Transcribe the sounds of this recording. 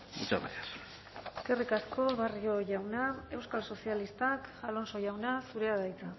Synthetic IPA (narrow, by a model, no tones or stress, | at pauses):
ɡut͡ʃa̰βaɾeas | e̥ske̞rikasko̞βario̞ʝawnae̞wskalso̞sialist̪akalo̞nso̞ʝawnasuɾe̞aðajt͡sa